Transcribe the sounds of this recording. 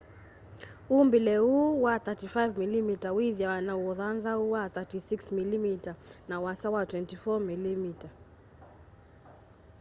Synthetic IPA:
umbilɛuwaθatifajvmilimitawiðjawanauɔðanðauwaθatisiksmilimitanawasawatwɛntifɔmilimita

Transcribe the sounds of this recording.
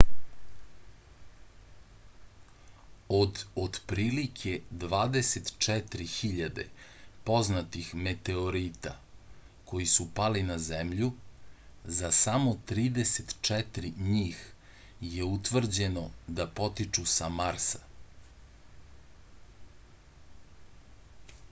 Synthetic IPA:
od̪od̪pɾiːlikʰe̞d̪ʋaːd̪eset̪t͡ʃɛt̪ɾixiʎad̪e̞̰po̞znat̪ixme̞t̪e̞o̞ɾiːt̪a̰ | kʰo̞jisupalinazemʎu | zasamo̞t̪ɾiːd̪eset̪t͡ʃɛt̪ɾiɲiːx | jeut̪ʋr̩d͡ʑe̞no̞d̪apo̞t̪it͡ʃusamaɾsḁ

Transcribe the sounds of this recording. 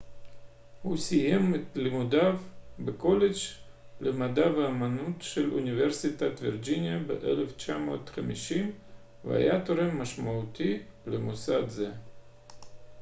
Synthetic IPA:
husijemet̪limud̪avbeko̞led͡ʒ | lemad̪aveamanut̪ʃelṵnʲiveɾsit̪at̪viɾd͡ʒinʲijabḛʔḛleft͡ʃamo̞t̪χamiʃim | vḛa̰jat̪oɾemːaʃmaut̪ʰilemusad̪ze

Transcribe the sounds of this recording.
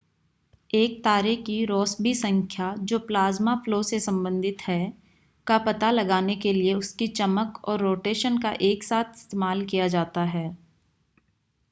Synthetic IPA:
eːk̚t̪aːɾekiɾɔːsbisɐ̃ŋkʰjad͡ʒoːplaːzmafloːsesɐ̃mbə̃nd̪ʱɪt̪hɛ | kapɐt̪alɐɡaːnekelieʊskit͡ʃɐməkɔ̰ːɾːoːʈeːʃənkaʔeːksaːt̪ʰɪ̥st̪eːmaːlkijad͡ʒaːt̪aɦɛː

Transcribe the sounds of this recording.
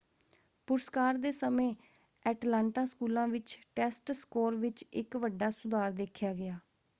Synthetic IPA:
pʊɾskaːɾd̪eːsəmẽː | ɛːʈlãːɳʈãːskuːlãːʋɪt͡ʃʈɛːsʈskoːɾʋɪt͡ʃɪkʋəɖːaːsʊd̪aːɾd̪eːkʰjaːɡɪjaː

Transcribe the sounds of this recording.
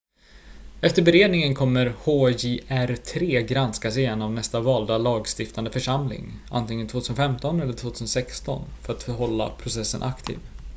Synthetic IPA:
ɛft̪əɾbɛɾeːd̪nɪŋənkʰɔmːəɾhoːjeʔæɾt̪ʰɾeːɡɾanskasɪjɛnːɔmnɛst̪avɑːld̪alɑːɡst̪ɪft̪and̪əfœʂamlɪ̰ŋʔa̰nt̪ɪŋːənt̪voːt̪ʰʉsənfɛmt̪ɔnɛlːəʈʰvoːt̪ʰʉːsənsɛkst̪ɔ̰nfœɾat̪fœɾɦɔlːa̰pʰɾʊsɛsːə̰nʔakt̪ʰḭːv

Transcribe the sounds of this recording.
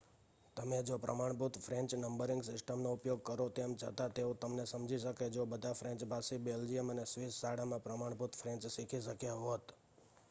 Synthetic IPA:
t̪əmed͡ʒopɾə̰maɳput̪fʰɾɛ̃ɲt͡ʃnəmbəɾɪŋɡsɪsʈəmnoupjoɡ̚kəɾot̪emd͡ʒʰə̰t̪at̪eot̪əmnesəmd͡ʒʱiʃəked͡ʒobəd̪ʱafʰɾɛ̃ɲt͡ʃbʱasibeld͡ʒiəmənesʋissaɽamãpɾəmaɳ̃put̪fʰɾɛ̃ɲt͡ʃsikʰiʃəkjaɦot̪

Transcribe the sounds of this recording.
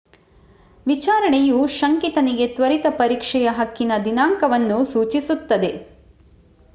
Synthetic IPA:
ʋit͡ʃaːɾɐɳejuʃɐŋkit̪ɐniɡe̞t̪ʋɐɾit̪ɐpɐɾiːkʂɛjɐɦɐkːinɐd̪inaːŋkɐʋɐnːusuːt͡ʃisut̪ːɐd̪e̞

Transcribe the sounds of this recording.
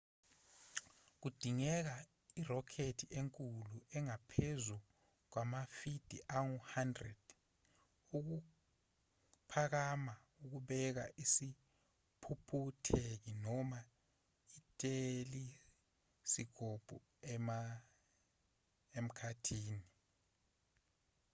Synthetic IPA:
k̬ud̥ʱiŋɛk̬a | irɔkʰetʰiʔeŋkʼuluʔɛŋapʰezu | k̬wamafid̥ʱiʔaŋuhandrɛd̥ | uk̬u | pʰak̬ama | uk̬uɓɛk̬a̰ʔisi | pʰupʰutʰek̬inɔma | itʼeli | siɡ̥ʱob̥ʱu | ma | em̩kʰatʰiːni

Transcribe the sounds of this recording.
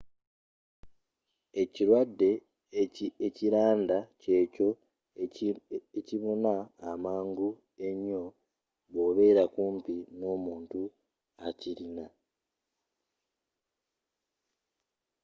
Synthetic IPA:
e̞ciɾwadːe̞ | eciɾaːndace̞ːco̞ | eciβo̞naːmaːŋɡu | e̞ɲːo̞ | βo̞βe̞ːɾakuːmpino̞ːmuːntu | aciɾina

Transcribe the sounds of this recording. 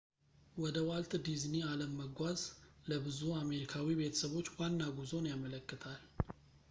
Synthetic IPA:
wɔd̪əwalt̪d̪iznialəmːəɡʷazləbɨzuame̞ɾikʰawibe̞t̪ʰəsəβo̞t͡ʃːwanːaɡuzo̞njamələkːɨt̪ʰal

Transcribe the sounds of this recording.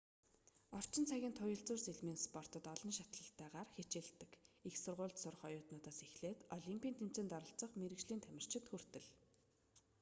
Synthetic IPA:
ɔr̥t͡ɕɪ̆nt͡sʰæɣʲiːnt̪ʰʊjə̆ɮt͡sʊːrseɮmiːnspɔr̥t̪ɞ̆t̪ɔɮɞ̆nʃat̪ɮə̆ɬt̪ːæːʁaːrxet͡ɕĕɮt̪ːɘ̆kixsʊrʁʊːɮt̪sʊrə̆χɔjʊːt̪nʊːt̪aːsexɮeːt̪ɔɮimpʲiːnt̪ʰem̥t͡seːnt̪ɔɾə̆ɬt͡sə̆χmeɾɘ̆kʃɮiːnt̪ʰæmʲɪ̆r̥t͡ɕɪ̆t̪xur̥t̪ɘ̆ɮ

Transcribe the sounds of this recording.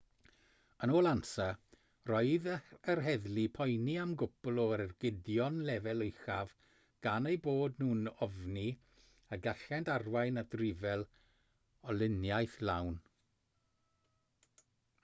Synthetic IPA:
ənoːlˠansa | rɔɨðərɦɛðlipʰɔjniamɡʊbʊlˠɔəɾərɡɪdjɔnlɛvɛlˠəjχav | ɡ̥anejboːdnuːnɔvni | əɡaɬɛndarwajnadrɪvɛlˠ | ɔlɪnjajθlawn

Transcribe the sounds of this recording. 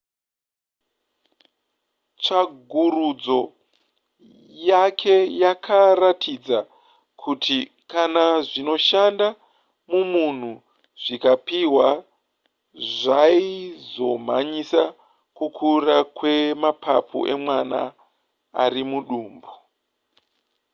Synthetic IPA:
t͡ʃaɡʱurud͡zo̞ | jakʰe̞jakʰaratʰid͡za | kʰutʰi | kanaʐino̞ʃanda | mumun̤u | ʐ̥ikapiɦwa | ʐaizo̞m̤a̰ɲisa | kukʰurakwe̞mapʰapʰṵʔe̞̰mwana̰ː | rimuɗuːmbo

